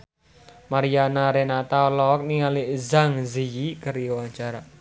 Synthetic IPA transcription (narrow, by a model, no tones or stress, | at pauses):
maɾijanaɾenat̪aɔlɔk̚niŋalizaŋzijikəɾiwaŋt͡ʃaɾa